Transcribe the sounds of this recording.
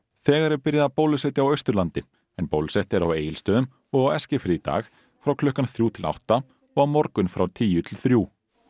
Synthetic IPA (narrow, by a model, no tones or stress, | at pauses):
θɛːɣaɾɛɾpɪɾjɪðapoːwlʏseht̪ɪawœɥst̪ʏɾlant̪ɪ | ɛnpowlʏseht̪ɛɾaweːjɪlst̪œːðʏm | ɔɣawɛscɪfɾit̪a̰ːx | fɾawkʰlœhkanθɾjuːt̪ʰɪla̰wht̪a | ɔɣawmɔɾkʏnfɾawt̪ʰiːjʏt̪ʰɪlθɾjuː